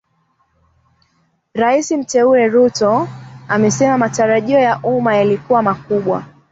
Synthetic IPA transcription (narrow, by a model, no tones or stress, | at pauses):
ɾaisim̩tɛuɾɛɾutɔamɛsɛmamataɾaʄiɔjaʔumajalikuwamakuɓwa̰